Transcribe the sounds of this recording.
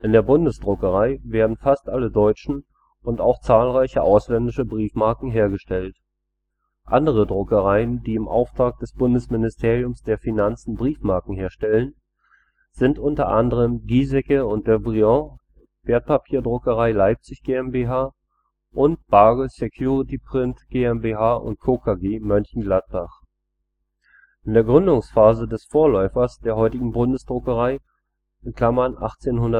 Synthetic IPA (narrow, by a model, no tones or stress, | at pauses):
ʔɪndeːɐbʊndəsd̥ʁʊkəʁ̞aɪveːɐdn̩fastʔalədɔʏt͡ʃn̩ | ʊnta̰ʊxt͡saːlʁaɪçəʔaʊslɛndɪʃəbʁiːfmaɐkŋ̩ɦeːɐɡəʃtʰɛlt | ʔa̰ndəʁ̞ədʁʊkəʁaɪəndiːɪmʔa̰ʊftʁ̥aːk̚d̥ɛsb̥ʊndəsmɪnɪstʰeːʁijʊmsd̥eːɐfinant͡sn̩bʁiːfmaɐkŋ̩ɦeːɐʃtɛlən | z̥ɪntʔʊntɐʔandəʁ̞əmɡiːzɛkəʊntd̥eːɐbʁiɔ̃ | v̥eːɐt̚pʰapʰiːɐdʁʊkəʁ̞aɪlaɪp̚t͡sɪçɡ̥eːɛmbeɦaː | ʔʊnt̚b̥aɡəsekʰjuːʁitipʁ̥ɪntɡ̥eːɛmbeːɦaːʔʊ̰nt̚kʰoːkʰaɡeːmœnçn̩ɡlat̚b̥aχ | ʔɪndeːɐɡʁʏndʊŋsfaːzədɛsfoːɐlɔʏfɐsd̥eːɐɦɔʏtɪɡŋ̩bʊndəsd̥ʁʊkəʁaɪ | ʔɪnkl̥amɐnʔa̰χt͡seːnhɦʊndɐt